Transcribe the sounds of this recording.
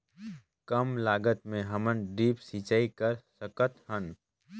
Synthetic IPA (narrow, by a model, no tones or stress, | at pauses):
kəmlaːɡət̪mẽɦɐmənɖiːpsiːt͡ʃaːikəɾsəkət̪hən